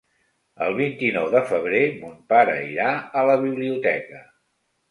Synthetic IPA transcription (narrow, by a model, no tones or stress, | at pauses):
əlˠβ̞int̪inɔwðəfəβ̞ɾemumpaɾə̰iɾaələβiβliut̪ɛkə